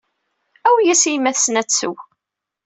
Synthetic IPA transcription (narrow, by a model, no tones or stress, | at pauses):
æwjæsijmːæθsnæt͡sːṵ